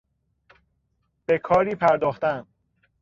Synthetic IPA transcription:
b̥e̞kʰɒːɾiːpʰæɾd̪ɒːxt̪æn

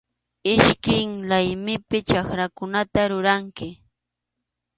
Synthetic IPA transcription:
ɪʃkɪŋlajmɪpɪt͡ʃakɾakʊnat̪aɾʊɾaŋkɪ

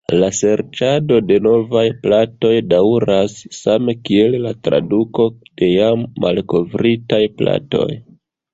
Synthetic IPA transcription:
lase̞ɾt͡ʃado̞de̞no̞vajplato̞jdawɾasːamekie̞llatɾa̰duko̞d̥e̞jamːa̰lko̞vɾitajpla̰to̞̰j

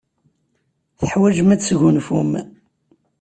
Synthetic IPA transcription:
θəħwæd͡ʒmæt͡sːʝunfum

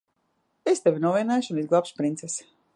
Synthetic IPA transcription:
est̪evʲinuɔviɛnɛjʃunizɡlˠapspɾint̪sɛs

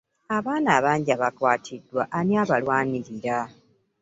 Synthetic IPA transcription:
aβaːnaːβaːɲɟiaβakwaːtʰidːwaʔːniaβalwaːniɾiɾa

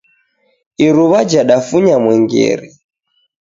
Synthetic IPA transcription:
iɾuβad͡ʒaɗafuɲamwɛŋɡɛ̰ɾɛ

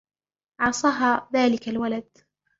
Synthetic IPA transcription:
ʕɑsˤɑːɦaːðaːlɪkalwalad̪̚

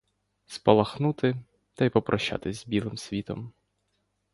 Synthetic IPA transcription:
spɔlˠɐxnut̪ɪ | t̪ɐjpɔpɾʔɔʃːa̰t̪ɪzʲzbʲilˠɪmsʲʋʲit̪ɔ̰m

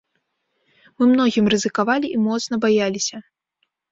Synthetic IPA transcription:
mɨmn̪ɔɣʲimrɨzɨkavalʲiʔimɔt̪snɐbajalʲisʲɐ

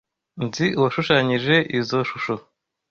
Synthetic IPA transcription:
nziwaʃuʃaːɲiʒe̞ʔizo̞ʃuʃo

